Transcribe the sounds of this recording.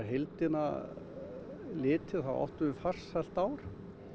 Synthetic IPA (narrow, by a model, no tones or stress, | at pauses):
ɾɦejlt̪ɪna̰ | lɪːt̪ʰɪθawʔa̰ht̪ʏʏfar̥sɛl̥t̪aːwɾ̥